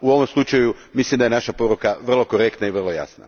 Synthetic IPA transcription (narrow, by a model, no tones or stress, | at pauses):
uo̞ʋomslˠut͡ʃajumislimd̪aje̞naʃapo̞ɾukaʋr̩lˠo̞ko̞ɾe̞kt̪naiʋr̩lˠo̞ja̰sna̰